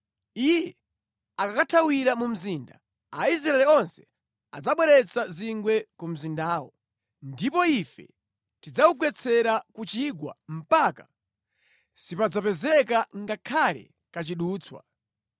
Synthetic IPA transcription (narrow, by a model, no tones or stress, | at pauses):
ijɛ | akakatʰawiɾamum̩ziːnda̰ | ais̬ɾaɛlɛɔnsɛ̥ | a̰d͡zaɓwɛɾɛt͡saziŋɡwɛkum̩zindaːwɔ | ndipɔifɛ̰ | tid͡zaukwɛt͡sʰɛɾakut͡ʃiɡwa̰m̩paka | sipad͡zapɛzɛkaŋɡakʰalɛ̰ | kat͡ʃiɗuːt͡sʰwa̰